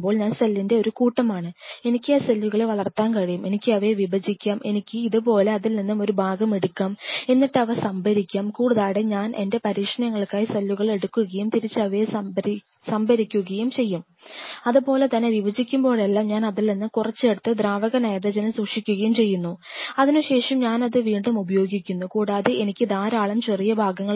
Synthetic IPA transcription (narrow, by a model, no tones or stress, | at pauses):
bo̞ːɭɲaːnsɐlːinde̞o̞ɾukuːʈːɐmaːɳɨe̞nikʲːaːsɐlːʋuɣɐɭeʋɐɭɐrt̪aːnkɐɻijume̞nikʲːɨɐʋɐeʋibɐd͡ʑikʲːaːmʔe̞nikʲːɨiðɨpo̞ːle̞ɐðilninːumo̞ɾubʱaːɡɐme̞ɽukːaːme̞nːiʈːɨɐʋɐsɐmbʱɐɾikʲːaːmkuːɽuðaːɽeɲaːnʔe̞̰nde̞pɐɾiːʂɐnjɐŋːɐɭkaːjisɐlːuɣɐɭe̞ɽukːuɣɐjumt̪iɾit͡ɕːɨɐʋɐje | sɐmbʱɐɾikʲːuɣɐjumt͡ɕe̞jːum | ɐðubo̞ːle̞t̪ɐnːeʋiʋɐd͡ʑikʲːumbo̞ːɻelːaːmɲaːnɐðilninːumkurɐt͡ɕːeɽut̪ːɨd̪raːʋɐɣɐnɐjɐɽɐd͡ʑɐnɐswukʂikʲːuɣɐjumt͡ɕe̞jːunːuɐðinuɕe̞ːʂɐmɲaːnɐðɨʋiːɳɖumubɐjo̞ːɡikʲːunːukuːɽaːðeʔenikʲːɨd̪aːɾaːɭɐmt͡ɕerijɐbʱaːɡɐŋːɐ